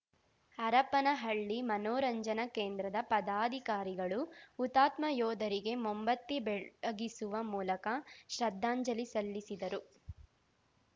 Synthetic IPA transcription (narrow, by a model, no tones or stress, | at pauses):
ɐɾɐpɐnɐɦɐɭːimɐnɔːɾɐɲd͡ʒɐnɐkeːnd̪ɾɐd̪ɐpɐd̪aːd̪ʱikaːɾiɡɐɭuːt̪aːt̪mɐjɔːd̪ʱɐɾiɡe̞mombɐt̪ːibɛɡisuʋɐmuːlɐkɐʃɾɐd̪ʱːaːɲd͡ʒɐlisɐlːisid̪ɐɾu